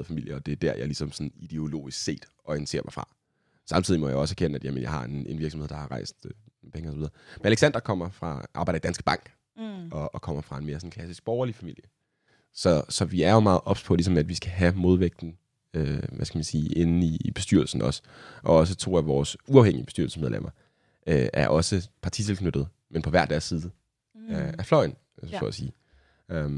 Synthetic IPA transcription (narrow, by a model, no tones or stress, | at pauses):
ð̩ˠfæmil̰jəɒ̽d̥e̝æd̥æɐ̰jälisɒ̽msɔ̽nid̥e̝o̝lo̝̰ːisɡ̥se̝̰ːd̥ʔɒ̽ensʰe̝̰ɐ̰ʋæfʁɑ̈ | sɑ̈mt͡sʰið̰ˠimɒ̽jäɒ̽səæɐkʰenəæd̥jæmənjɑ̈ɪhɑ̈e̝ne̝nʋiɐɡsm̩heð̰ˠd̥ɑ̈hɑ̈ʁɑ̈ɪsd̥øinpʰeŋəɒsɒʋiðˠɐmenæleɡ̥sænd̥ʁɐkʰɒ̽m̰ɐfʁɑ̈ʔɑ̈bɑ̈ɪɾɐid̥ænsɡ̥b̥ɑ̈ŋ̰ɡ̥ | ɒ̽ːkʰɒ̽m̰ɐfʁɑ̈e̝nme̝ɐsɔ̽n̩kʰlæsisɡ̥̚b̥ɒʊɐlifæmil̰jə | sɒ̽sɒ̽ʋiæɐjo̝mɑ̈ːð̩ˠʔɒ̽b̥spʰɒ̽lis̬ɒ̽mæd̥ʋisɡ̥æɦæmo̝ðˠʋeɡ̥̚d̥n̩ | øʋæsɡ̥ʰæmænsiːʔe̝nn̩iːb̥e̝sd̥yɐ̰lsn̩ɒ̽sʔɒ̽ɒ̽s̬ət͡sʰo̝̰ːæʋɒːsuɑʊeŋ̰iəb̥e̝sy̰ɐ̰lsəsmeðˠlḛmʔɐ | ʔøæ̰ɐʔɒ̽səpʰɑ̈t͡sʰit͡sʰe̝lkʰnød̥ð̞̩ˠ | menpʰɒ̽ʋæɐ̰d̥æɐ̰sːiːðˠə | æflɒɪn | so̰ːæsiː | ø